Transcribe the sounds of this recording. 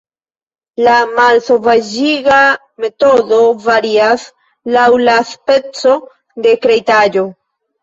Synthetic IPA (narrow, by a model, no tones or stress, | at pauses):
lamalso̞vad͡ʒiɡa | me̞to̞do̞vaɾias | lawlaspe̞t͡so̞ | d̪e̞kɾejtad͡ʒo̞